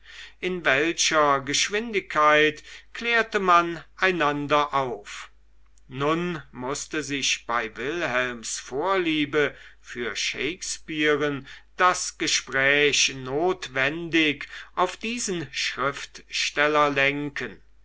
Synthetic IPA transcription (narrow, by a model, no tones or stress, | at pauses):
ʔɪnvɛlɕɐɡəʃv̥ɪndɪkʰːaɪtkleːɐtəmanʔaɪnandɐʔaʊf | nʊnmʊstəzɪçb̥aɪvɪlhɛlmsfoːɐliːbəfyːɐʃḛɪkspiːʁənd̥asɡ̥əʃpʁ̥ɛːçnoːtv̥ɛndɪkʔaʊfd̥iːzənʃʁ̥ɪftʃtɛlɐlɛŋkən